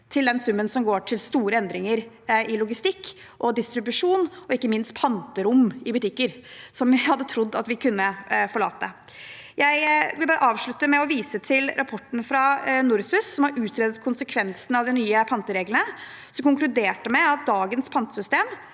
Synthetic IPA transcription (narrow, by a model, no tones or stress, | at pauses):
t̪ʰɪld̪ɛnsʉmːənsɔmɡoːʈʰɪlst̪uːɾəɛnd̪ɾɪŋəɾ | ɪlʊɡɪst̪ɪkː | ʔɔd̪ɪst̪ɾʉbʉʂuːnɔɪkːəmɪnst̪pʰɑnt̪əɾʊmɪbʉt̪ɪkːəɾ | sɔmɪhɑd̪ːət̪ʰɾʊd̪ːɑ̰t̪ʋɪkʰʉnːəfɔɭɑ̰ːt̪ə | jæɪʋɪlbɑːɾə̰ʔɑːʋʂɭʉt̪ːəmɛɔʋiːsət̪ʰɪlɾʔɑpʰɔʈːn̩fɾɑnʊɾsʉsːɔmhɑɾʔʉːt̪ʰɾɛːd̪ət̪kʰʊnsəkʰʋɛnsnɑʋd̪ɪnyːəpʰɑnt̪əɾeːɡlənə | sɔmkʊŋklʉd̪eːʈəmɛɑt̪̚d̪ɑːɡənspʰɑnt̪əsʏst̪eːm